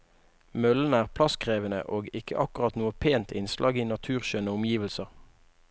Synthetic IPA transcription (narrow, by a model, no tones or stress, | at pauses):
mœln̩æːʁpʰlɑskʁeːʋənə̰ʔoːɡɪkʰə̰ʔɑkʊʁɑt̪nuːəpʰeːnt̪ʰɪnslʔɑ̰ːɡiːnɑt̪ʰʉːʁʃøːnəʊmjiːʋəlsəʁ